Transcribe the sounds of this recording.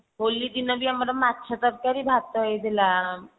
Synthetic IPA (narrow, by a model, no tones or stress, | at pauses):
ɦolːid̪inɔbʱiamɾamat̪ːʃʰat̪əɾkaɾibʱab̚t̪ɔɦojed̪ʱela